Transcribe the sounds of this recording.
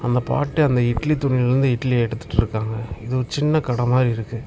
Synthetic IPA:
ɐnd̪ɐpa̰ːʈːɯɐnd̪ɐɪʈlit̪ːʊɳɪɾɯnd̪ɯɪʈːliɛɽɯt̪ːɯ̥ʈːɪɾɯkːaːŋɡɐɪðɯɔɾɯt͡ʃɪnːɐkɐɽɐmaːd̪ɾiɪɾɯkːɯ

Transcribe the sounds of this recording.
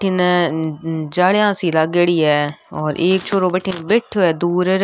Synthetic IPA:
ʈʰin | d͡ʒaːɭjãːsiːləɡəɽiːɛːɔːɾʔeːk̚t͡ʃʰoːɾõːbeʈʰinbɪʈʰoɛːd̪uːɾɾ

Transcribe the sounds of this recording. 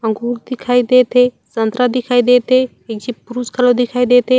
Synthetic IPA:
ə̃ŋɡuɾd̪ɪkʰaːid̪et̪ʰe | sənt̪ɾad̪ɪkʰaːid̪et̪e | ek̚d͡ʒipuɾuskʰəlod̪ɪkʰaːid̪et̪e

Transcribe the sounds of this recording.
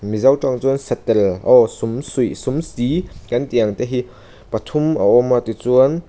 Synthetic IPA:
mizɐwtaŋt͡suənsɛt̪ːɛlʔɔsumsujsumsikɐntiɐŋt̪ɛɦi | pɐt̪ʰumaɔmːat̪it͡suən

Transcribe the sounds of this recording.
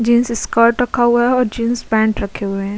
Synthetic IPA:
d͡ʒĩːnsɪskaːɾʈɾɐkʰaɦʊaɦɛɔːɾd͡ʒĩːnsbɛ̃ːɳʈɾɐkʰːeɦʊeɦɛ̃ː

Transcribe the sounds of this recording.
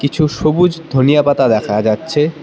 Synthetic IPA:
kit͡ɕʰuʃobud͡ʑd̪ʱonijapat̪ad̪ɛkʰad͡ʑatːɕʰe

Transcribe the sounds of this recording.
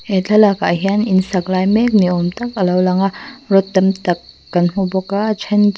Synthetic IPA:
etʰɐlakaːɦianinsaklajmek̚niɔmtɐk̚ɐlawlaŋaɾɔtːɐmtɐkː | ɐnɦubɔkat͡ʃʰɐn

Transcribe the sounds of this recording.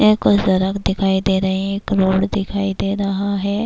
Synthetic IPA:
ekʊzəɾəkd̪ɪkʰaːid̪eːɾɐɦẽɦɛ̃kɾoːɽd̪ɪkʰaːid̪eːɾɐɦaɦɛː

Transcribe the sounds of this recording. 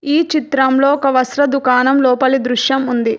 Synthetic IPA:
iːt͡ʃit̪ɾɐmloːɔkɐʋɐsɾɐd̪ukaːnɐmlɔːpɐlid̪ɾuʃjɐmund̪i

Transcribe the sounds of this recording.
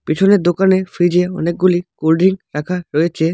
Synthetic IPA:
pit͡ʃʰoneɾd̪okanefʰɾid͡ʒeɔ̰nek̚ɡulikolɖiŋɾakʰaɾɔet͡ʃʰe

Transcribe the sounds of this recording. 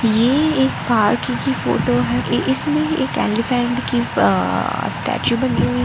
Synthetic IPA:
jeeːkpaːɾkikifo̰ːʈoɦɛʔʔɪsmẽḛːkɛ̰̃ːllifɛ̃ːɳɖki | sʈɛ̰ːt͡ʃjubɐniɦui

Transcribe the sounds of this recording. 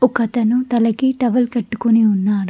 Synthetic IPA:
ɔkɐt̪ɐnut̪ɐlɐkiʈɐʋɐlkɐʈːu̥kuniunːaːɽu

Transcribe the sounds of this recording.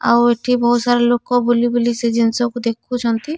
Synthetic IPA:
a̰weʈʰibɔɦut̪saɾelokɔbulibulised͡ʒinsɔkud̪ekʰut͡ʃʰɔnt̪i

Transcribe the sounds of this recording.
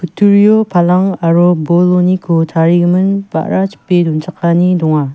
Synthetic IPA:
kʰut̪ʰurijopʰalaŋaɾobolonikʰot̪ʰaɾik̚mənpa̰ɾat͡ɕʰə̥ped̪ont͡ɕʰaχkanind̪oŋwa

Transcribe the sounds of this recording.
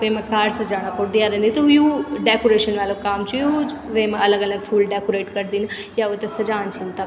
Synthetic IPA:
kemɐ̃kaːɾsɐd͡ʒaːɽ̃apoɽd̪ijaɾẽːnd̪it̪ojuːɖeːkoɾeːʃənʋalokaːmt͡ʃujud͡ʒʋemɐləɡɐləɡfʰuːlɖeːkoɾeːʈkɐɾd̪iːn | jaot̪esɐd͡ʒaːnt͡ʃʰɐnt̪a

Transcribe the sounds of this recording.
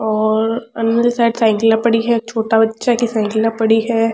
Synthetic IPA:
ɔːɾɐ̰nəlisaːɪɖsaɪ̃ŋklapɐɽiɦɛt͡ʃʰoːʈabɐtːʃʰakisãːɪ̃ŋkɪlapɐɽiɦɛː

